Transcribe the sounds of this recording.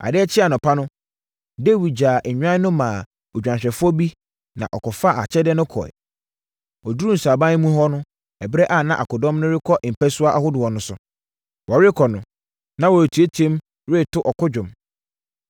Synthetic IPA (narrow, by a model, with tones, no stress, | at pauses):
a̰˨dɪ˦ɛ˦t͡ɕʰɪ˦a˨nʊ̃˨pʰa˦nʊ̃˦ | de˦˨wi˨d͡ʑaː˨ʔ̩˨ɲᶣã˦nʊ̃˦mãː˨ | ɔ˨d͡ʑᶣã˨ɕᶣɛ˨fʊ˦ɔ˦bi˦ | nã̰˨ʔɔ˨kʰɔ˨fa˦ʔa̰˨t͡ɕʰɛ˦dɛ˦nʊ̃˦kʰɔ̰˨ɛ̰˨ | ɔ˨du˦u˦n̩˨sa˨bã˦n˦mũ˦ɦɔ˦nʊ̃˦ | ɛ˨bɾɛ˦ʔa˦˨nã˦ʔa̰˨kʊ˨dɔ̃˦mnʊ̃˦ɾɪ˦kʰɔ˦ʔm̩˨pʰæ˦sʊ˦a˦ʔa˨hʊ˦dʊ˨ɔ˨nʊ̃˦sʊ˨ | wɔ˨ɾɪ˦kʰɔ˨nʊ̃˨ | nã˦wɔ˨tʰu˨˦e˦tʰẽ˦m | ɾe˦˨tʰʊ˦ʔɔ˨kʰʊ˦d͡ʑᶣʊ̃˨m